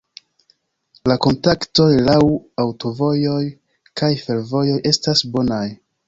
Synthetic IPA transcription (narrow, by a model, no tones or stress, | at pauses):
lako̞ntakto̞jlawawto̞vo̞jo̞j | kajfe̞ɾvo̞jo̞jʔe̞stasbo̞naj